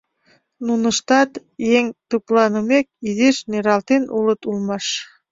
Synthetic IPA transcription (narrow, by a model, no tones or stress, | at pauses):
nunəʃt̪ɑt̪jeŋt̪uplˠɑnəmek̚id̪eʃneɾɑlt̪enʔulət̪ulˠmɑʃ